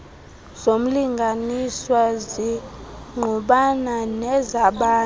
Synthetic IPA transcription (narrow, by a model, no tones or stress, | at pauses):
z̥om̩liŋɡʱaniswazi | ŋʱuɓananɛzaɓaː